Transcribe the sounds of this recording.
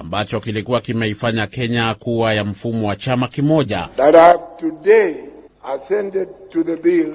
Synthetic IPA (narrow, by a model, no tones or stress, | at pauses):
ambat͡ʃɔkilikuwakimɛifaɲakɛɲakuwajam̩fumɔwat͡ʃamakimɔʄa̰ðatavtude | asɛ̃ndɛd̚tuðəbil